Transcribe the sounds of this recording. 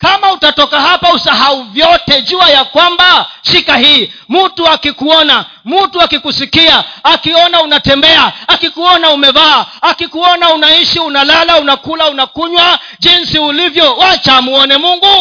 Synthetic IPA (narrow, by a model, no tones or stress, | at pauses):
kamautatɔkaɦapausaɦauvjɔtɛʄuajakwambaʃikaɦiːmutuakikuɔna | mutuakikusikiaːkiɔnaunatɛmbɛaakikuɔnaumɛvaːakikuɔnaunaiʃiunalalaunakulaunakuɲwa | ʄinsiulivjɔwat͡ʃamuɔnɛmuŋɡu